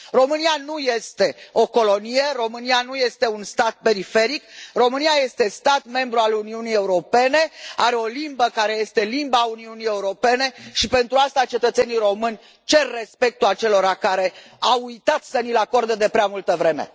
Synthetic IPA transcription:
ro̞mɨnianuje̞st̪e̞o̞ko̞lo̞nije̞ro̞mɨnianuje̞st̪e̞unst̪at̪̚pe̞ɾife̞ɾikro̞mɨniaje̞st̪e̞st̪at̪me̞mbɾualuniunije̞uɾo̞pe̞ne̞aɾe̞o̞limbəkaɾe̞je̞st̪e̞limbauniunije̞uɾo̞pe̞ne̞ʃipe̞nt̪ɾuast̪at͡ʃe̞t̪ət̪se̞niɾo̞mɨnʲ | t͡ʃe̞rːe̞spe̞k̚t̪uat͡ʃe̞lo̞ɾakaɾe̞ | awujt̪at̪sənilako̞rd̪ed̪e̞pɾeamult̪əvɾe̞me̞̰

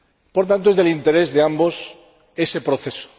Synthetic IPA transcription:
poɾt̪ant̪oe̞zðelint̪e̞ɾe̞zðeambo̞s | e̞se̞pɾoθe̞so̥

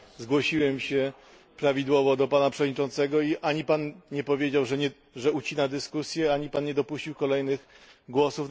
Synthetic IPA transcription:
zɡwɔɕiwɛmɕɛ | pɾavʲid̪wɔvɔd̪ɔpanapʂɛvɔd̪ɲit͡ʂɔnt̪sɛɡɔiʔaɲipanɲɛpɔvʲjed͡ʑawʐ | ʐɛut͡ɕinad̪ɘskusʲjɛaɲipanɲɛd̪ɔpuɕt͡ɕiwkɔlɛjnɘɣɡwɔsuf

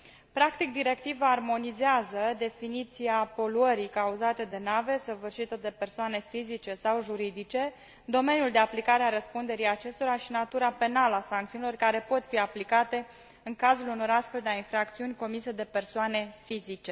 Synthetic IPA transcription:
pɾakt̪ik̚d̪iɾe̞k̚t̪ivaːrmo̞nizeazəd̪e̞finit̪siapo̞luəɾikauzat̪e̞d̪e̞nave̞səvɨrʃit̪əd̪e̞pe̞rsoane̞fizit͡ʃe̞sawʒuɾid̪it͡ʃe̞ | d̪o̞me̞njuld̪e̞aplikaɾeaɾəspund̪e̞ɾijat͡ʃe̞st̪o̞ɾaʃinat̪uɾape̞naləasaŋkt̪iunilo̞rkaɾe̞po̞t̪fiaplikat̪e̞ | ɨŋkazuluno̞ɾast̪fe̞ld̪eainfɾak̚t̪siunʲko̞mised̪e̞pe̞rsoane̞fizit͡ʃe̞

